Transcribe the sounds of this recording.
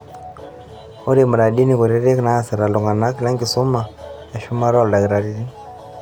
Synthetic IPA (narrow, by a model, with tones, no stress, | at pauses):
ɔ˦ɾi˦˨mu˨ɾa˨ɗi˦ni˨ku˨ɾɛ˦ɾɛ˦kna˦˨sɛ˨ɾa˨lɔ˨ŋɡa˨na˦ki˨la˦ŋɡi˨sɔ˦ma˨ | a˨ʃu˦ma˦ɾa˦˨lda˨ɡɾa˨ɾi˦ni˦